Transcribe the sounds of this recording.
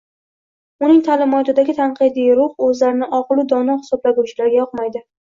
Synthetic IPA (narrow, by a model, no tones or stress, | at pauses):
ʊnɪŋt̪ʰalɪmɒt̪ɪd̪aɡʲɪt̪ʰanqɨd̪ijɾʊhɵzlaɾɪnɪʔɒqlˠɪd̪ɒnɒhɪ̥sɒblaɡut͡ʃʰɪlaɾɡʲajɒqmajd̪ɪ